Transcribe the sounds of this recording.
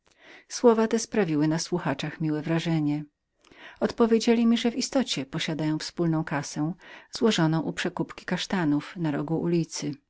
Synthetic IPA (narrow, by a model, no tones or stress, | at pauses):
swɔvat̪ɛspɾavʲiwɘnaswuxat͡ʂaxmʲiwɛvɾaʐɛɲɛ | ɔt̪pɔvʲjed͡ʑelʲimʲiʐɛvist̪ɔt͡ɕɛpɔɕad̪ajɔ̃w̃fspulnɔ̃w̃kasɛw̃z̥wɔʐɔnɔ̃w̃ʔupʂɛkupkʲi̥kaʂt̪anufnaɾɔɡuʔulʲit̪sɘ